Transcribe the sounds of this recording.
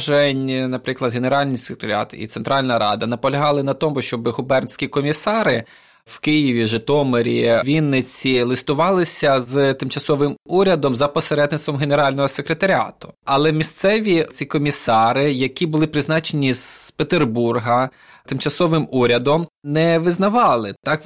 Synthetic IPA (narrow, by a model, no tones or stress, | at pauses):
ʒɛnʲnɐpɾɪklˠɐd̪ɦeneɾɑlʲnɪjse̥kɾe̥t̪ɐɾʲa̰t̪ḭt̪seɛnt̪ɾɑlʲnɐɾɑ̰d̪ɐnɐpɔlʲɐɦɑlˠɪnɐt̪ɔmʊʃt͡ʃɔbɪɦʊbɛrnsʲkʲikɔmʲisɑɾɪ | wkɪjiʋʲiʒɪt̪ɔmɔɾʲiʋʲinːɪt͡sʲilˠɪst̪ʊʋɑlˠɪsʲɐzt̪ɪmt͡ʃɐsɔʋɪmuɾʲɐd̪ɔmzɐpɔseɾɛd̪nɪt̪st̪ʋɔmɦeneɾɑlʲnɔɦɔsekɾet̪ɐɾʲɑ̰t̪ʊ̥ɐlˠɛmʲist̪sɛʋʲit͡sʲikɔmʲisɑɾɪjɐkʲibʊlˠɪpɾɪznɑt͡ʃenʲiz̥pet̪erburɦɐ | t̪ɪmt͡ʃɐsɔʋɪmuɾʲɐd̪ɔmnɛʋɪznɐʋɑlˠɪt̪ɑk